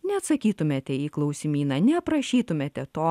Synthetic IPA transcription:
nʲɛɐt̪sɐkʲiːt̪ʊmʲeːt̪ʲɛiːklˠɐʊsʲɪmʲiːnɐnʲɛpɾɐʃʲiːt̪ʊmʲeːt̪ʲɛt̪oː

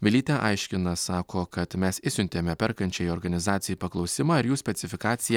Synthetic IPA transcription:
ʋʲɪlʲiːt̪ʲɛʔɑɪʃʲkʲɪnɐsɑːkoːkɐt̪mʲɛsɪsʲʊnʲt̪ʲeːmʲɛpʲɛɾkɐnʲt͡ʃʲɛjɔɾɡɐnʲɪzɑːt̪sʲɪjuːpɐklˠɒʊsʲɪmɑɪɾjuːsʲpʲɛt̪sʲɪfʲɪkɑːt̪sʲɪjɛ

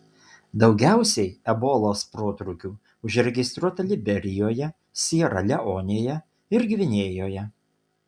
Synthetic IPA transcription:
d̪ɒʊɡʲæˑʊsʲɛɪɛboːlˠoːspɾoːt̪ɾʊkʲuː | ʊʒɾʲɛɡʲɪst̪ɾuɔt̪ɐlʲɪbʲɛɾʲɪjoːjɛ | sʲiːɾɐlʲɛʔoːnʲeːjɛ | ɪɾɡʲʋʲɪnʲeːjoːjɛ

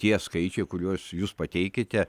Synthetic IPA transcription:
t̪ʲiɛskɐɪt͡ʃʲɛɪkʊɾʲuɔsjuːspɐt̪ʲɛɪkʲɪt̪ʲɛ

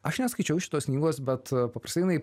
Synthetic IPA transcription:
ɐʃnʲɛskɐɪt͡ʃʲɛʊʃʲɪ̥t̪oːsʲnʲiːɡoːsbʲɛt̪pɐpɾɐst̪ɐɪnɐɪ

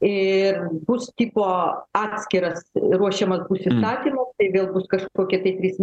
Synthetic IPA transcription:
ɪrbʊst̪ʲiːpoːɑːt̪ʲsʲkʲɪɾɐsɾuɔʃʲɛmɐsbusɪst̪ɑːt̪ʲiːmɐt̪ɐɪʋʲeːlˠbʊskɐʃkoːkʲɛt̪ɐɪt̪ʲɾʲiːsmʲ

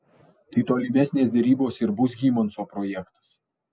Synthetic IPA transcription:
t̪ɐɪt̪oːlʲɪmʲɛsʲnʲeːsd̪ʲɛɾʲiːboːsɪɾbʊs̬ʲɡʲiːmɐnsoːpɾɔːjɛkt̪ɐ̥s

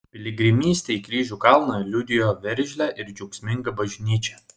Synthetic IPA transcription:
pʲɪlʲɪɡɾʲɪmʲiːsʲt̪ʲeɪkɾʲiːʒʲuːkɑlˠnoɛlʲʊd̪ʲɪjoːʋʲɛɾʲʒʲlʲæʔɪɾd͡ʒʲɛʊksʲmʲɪŋɡɐbɐʒʲnʲiːt͡ʃʲɛ

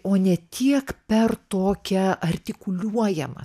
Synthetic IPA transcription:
oːnʲɛt̪ʲiɛkpʲɛrt̪oːkʲɛɐrʲt̪ʲɪkʊlʲuɔjɛmɐ̰

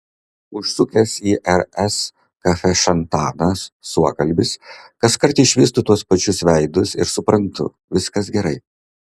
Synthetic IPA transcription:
ʊʃsʊkʲɛsiːʔɛɾɛs | kɐfʲɛʃɐnt̪ɑːnɐsːuɔkɐlʲˑbʲɪskɐskɐɾt̪ɪʃʲʋʲiːs̬t̪ʊt̪uɔspɐt͡ʃʲʊsʋʲɛɪd̪ʊsɪ̰ɾsʊpɾɐnt̪ʊ̰ | ʋʲɪskɐsɡʲɛɾɐɪ

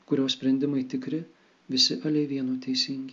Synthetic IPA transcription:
kʊɾʲoːsʲpʲɾʲɛnʲd̪ʲɪmɐɪt̪ʲɪkɾʲɪ | ʋʲɪsʲɪʔɐlʲɛɪʋʲiɛnuːt̪ʲɛɪsʲɪŋʲɡʲɪ

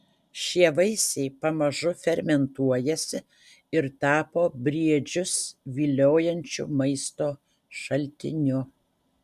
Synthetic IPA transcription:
ʃʲiɛʋɐɪsʲɛɪpɐmɐʒʊfʲɛɾʲmʲɛnt̪uɔjɛsʲɪ | ɪɾt̪ɑːpoːbʲɾʲiɛd͡ʒʲʊsʋʲiːlʲoːjɛnʲt͡ʃʲʊ̰mɐɪst̪oː | ʃɐlʲt̪ʲɪ̰nʲʊ

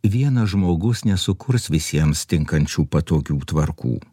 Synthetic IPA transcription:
ʋʲiɛnɐʒmoːɡʊsnʲɛsʊkʊɾsʋʲɪsʲiɛmst̪ʲɪŋkɐnʲt͡ʃʲuːpɐt̪oːɡʲuːt̪ʋɐɾkṵː

